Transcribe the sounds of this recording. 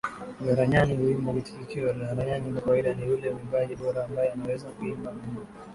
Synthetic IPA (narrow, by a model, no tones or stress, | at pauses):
ɡaɾaɲaniuimɔkiti̥kikiɔlaɾaɲanikkawaiɗanijulɛmiɓaʄiɓɔɾaːmbajɛanawɛzakuimbamiɲ